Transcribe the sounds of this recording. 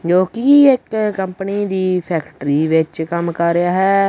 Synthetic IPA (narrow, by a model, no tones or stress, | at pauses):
d͡ʒoːkiɪkkəmpniːd̪iːpʰɛːkʈɾiːʋɪt͡ʃkəmkəɾːejaːɦɛː